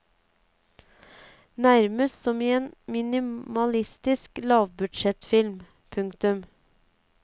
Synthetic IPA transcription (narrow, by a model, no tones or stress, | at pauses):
næɾməssɔmiːeːnmɪnɪmɑlɪst̪ɪsklɑːʋbʉd̪ʃɛt̪fɪlm | pʰʉŋkt̪ʉm